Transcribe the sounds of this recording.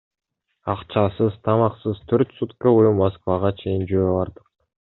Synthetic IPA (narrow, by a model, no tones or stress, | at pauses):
ɑqt͡ʃɑsɯzt̪ʰɑmɑqsɯzt̪ʰøɾt̪sut̪koujumoskvɑʁɑt͡ʃʰe̞jind͡ʒøbɑɾd̪ɯq̚